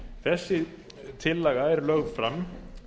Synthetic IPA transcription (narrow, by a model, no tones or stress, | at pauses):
θɛsːɪ | t̪ʰɪlːɛɣaɛɾlœɣfɾamː